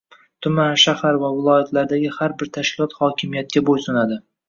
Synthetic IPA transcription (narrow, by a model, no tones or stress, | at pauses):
t̪ʰʊmanʃahaɾvavɪlˠɒjat̪laɾd̪aɡʲɪhaɾbɪɾt̪ʰaʃkʲʰɪlˠɒt̪hɒkʲʰɪmijat̪̚kʲabojsʊnad̪ɪ